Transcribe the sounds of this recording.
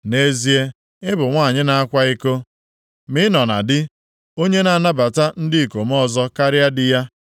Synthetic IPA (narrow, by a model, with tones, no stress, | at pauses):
ne˦zi˦e˦ | ɪ˦bʊ˨ŋʷa˦˨ɲɪ˦na˨a˦kʷa˦ɪ˦ko˦ | mɪ˦nɔ˨na̰˨dɪ˦ | o˦ɲe˦na˨na˦ba˨ta˦n̩˦dɪ˦˨ko˨m˦ɔ˦zɔ˦ka˦ɾja˦dɪ˦ja˦